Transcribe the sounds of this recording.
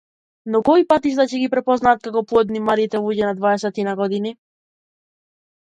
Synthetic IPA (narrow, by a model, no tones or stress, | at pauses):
nɔkɔipat̪iʃ̬t̪acɛɡipɾɛpɔznaːt̪̚kakɔpuɔd̪nimaɾit̪ɛlˠuɟɛnad̪vaɛsɛt̪inaɡɔd̪ini